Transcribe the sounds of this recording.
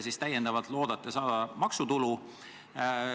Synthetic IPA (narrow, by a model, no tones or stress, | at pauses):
sist̪æjːend̪ɑvɑt̪lo̞ːd̪̥ɑt̪ˑːesɑːd̪̥ɑmɑksut̪ulu